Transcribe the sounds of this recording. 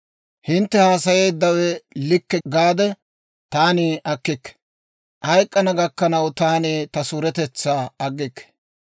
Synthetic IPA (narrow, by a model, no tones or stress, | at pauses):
hɪnt̪ːɛhaːsɐje̞ːd̪ːɐwɛlɪkːɛɡaːd̪ɛ | t̪aːniɐkːɪkːɛ̥ | ʔhɐjkʼːɐnɐɡɐkːɐnɐwt̪aːniːt̪ɐsuːɾɛt̪ɛt͡sːaːɐɡːɪkːɛ̥